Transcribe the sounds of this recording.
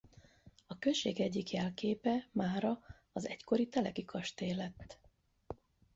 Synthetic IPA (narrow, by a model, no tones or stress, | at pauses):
ɒkøʃeːɡɛɟːikjɛlkeːpɛmaːɾɒ | ɒzɛcko̞ɾit̪ɛlɛɡikʰɒʃt̪eːlɛt̪ː